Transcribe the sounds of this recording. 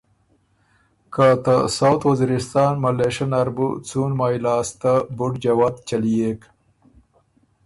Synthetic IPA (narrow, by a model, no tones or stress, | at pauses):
kat̪asawt̪wɐziɾɪst̪ɑːnmɐleʂɐnɐɾbṵt͡sunmaːjlɑːst̪abuʈd͡ʒɐwaːd̪t͡ʃɐlijek